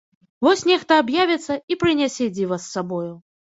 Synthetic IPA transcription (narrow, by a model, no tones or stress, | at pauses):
vɔsʲnʲɛxt̪ɐːbjavʲɛt̪sːɐipɾɨnʲɛsʲɛd͡zʲivɐsːabɔju